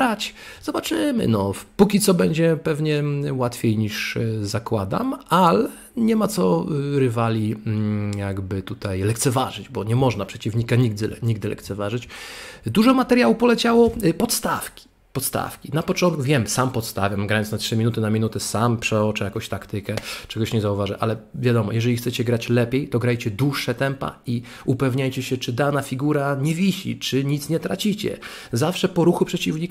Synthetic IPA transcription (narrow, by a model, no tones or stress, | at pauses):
at͡ɕ | z̥ɔbat͡ʂɘmɘ̰nɔpukʲit̪sɔbɛɲd͡ʑɛpɛvɲɛwat̪fʲjejɲiʂzakwad̪a̰malɛ | ɲɛmat̪sɔɾɘvalʲi | jaɡbɘt̪ut̪ajlɛkt̪sɛva̰ʐɘd͡ʑbɔɲɛmɔʐnapʂɛt͡ɕivɲikaɲiɡ̚d̪ɘɲiɡ̚d̪ɘlɛ̰kt̪sɛvaʐɘt͡ɕd̪uʐɔmat̪ɛɾʲjawupɔlɛt͡ɕawɔpɔt̪st̪a̰fkʲi̥ | pɔt̪st̪a̰fkʲinapɔt͡ʂɔ̃nt̪kuvʲjɛmsampɔt̪st̪avʲjamɡɾajɔnsatʂɘmʲinut̪ɘnamʲinut̪ɛsampʂɛɔt͡ʂɛjakɔ̃w̃ɕt̪akt̪ɘkɛt͡ʂɛɡɔɕɲɛzauvaʐɛʔa̰lɛvʲjad̪ɔmɔ̰jɛʐɛlʲixt̪sɛt͡ɕɛɡɾat͡ɕlɛpʲjejt̪ɔɡɾajt͡ɕɛd̪wuʂːɛt̪ɛmpa̰i | upɛvɲajt͡ɕɛɕɛt͡ʂɘd̪anafʲiɡuɾaɲɛvʲiɕḭt͡ʂɘɲit̪sɲɛt̪ɾat͡ɕit͡ɕɛ̰ | zafʂɛpɔɾuxupʂɛt͡ɕivɲik